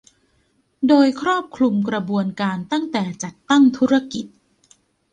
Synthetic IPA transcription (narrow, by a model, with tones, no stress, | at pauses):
doː˧jkʰɾɔː˥˩p̚kʰlu˧mkɾa˧bu˧ənkaː˧nt̪a˥˩ŋt̪ɛː˨˩t͡ɕa˨˩t̪ːa˥˩ŋt̪ʰuː˦˥ɾa˧ki˨˩t̪̚